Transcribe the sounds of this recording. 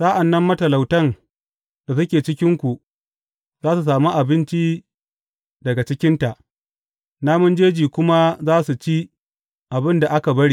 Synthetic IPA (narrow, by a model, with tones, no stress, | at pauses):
sa˦ʔa˨nːɐ˦mːɐ˦tɐ˨la˨wtɐ˦˨ŋ | d̥a˨s̬ʊ˦kʲeː˨t͡ʃɪ˦kʲɪ˦ŋkʷu˨ʔ | zaː˦su˨s̬aː˨mu˦ʔa˨bɪ˦nt͡ʃi˦ | dɐ˨ɡa˨t͡ʃɪ˦kʲɪ˦nta˨ʔ | naː˦mʊ˦nd͡ʒeː˦d͡ʒiː˨kʷʊ˦ma˦zaː˦su˨t͡ʃi˦ | ʔa˨bɪ˦nda˨ʔa˦ka˨bɐ˦ɽi˦